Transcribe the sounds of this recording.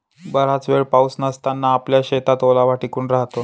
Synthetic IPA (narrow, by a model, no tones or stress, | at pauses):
bəɾ̤at͡sʋeɭpausnəst̪anːaːpljaɕet̪at̪olaʋaʈikuːɳɾaɦt̪o